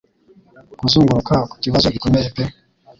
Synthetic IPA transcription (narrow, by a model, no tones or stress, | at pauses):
kuzuːŋɡuɾukaku̥ciβazokikomejepe